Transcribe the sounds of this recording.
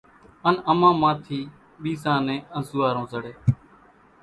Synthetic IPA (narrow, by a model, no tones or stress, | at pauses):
ənəmãːmãːt̪ʰiː | ɓiːzãːnẽːənzʊːaːɾõːzəɽeː